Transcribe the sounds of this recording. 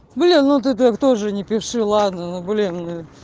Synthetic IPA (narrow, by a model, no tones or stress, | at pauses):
blʲinnut̪̬ɨt̪okt̪oʐɨnʲɪpʲɪfʂɨlˠad̪nənublʲinɨ